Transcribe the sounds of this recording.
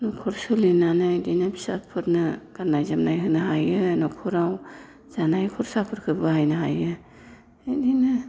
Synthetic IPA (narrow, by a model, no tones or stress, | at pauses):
nɔkʰɔɾsɯlinanɯdinabisa̰pʰɯɾnɯɡ̥anajzamnajɦɯnɯɦajɯnɔkʰɔɾaw | z̥anajkʰɔɾsapʰɯɾkʰɯbɯɦajnɯɦa̰jɯː | dinɯ